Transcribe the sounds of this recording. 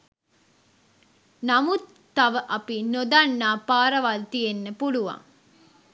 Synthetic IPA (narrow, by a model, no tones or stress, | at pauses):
namut̪ːɐʋəʔɐpinod̪anːaːpaːɾɐʋalt̪ijenːəpuluʋa̰ŋ